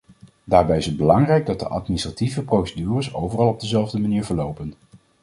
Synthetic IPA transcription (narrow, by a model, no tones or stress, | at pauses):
daːɹbɛjɪsəd̚bəlɑŋrɛjɡ̚dɑt̚də̰ʔɑ̰tministrativəprowsedyːrəsowvərɑlˠɔb̚dəzɛlˠvdəmaniːɹvəɹlowpən